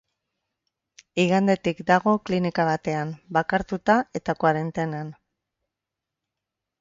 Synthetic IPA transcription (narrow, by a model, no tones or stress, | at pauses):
iɣand̪e̞t̪ikd̪aɣ̞o̞klinikaβat̪e̞ambakaɾt̪ut̪ae̞t̪akwaɾe̞nt̪enan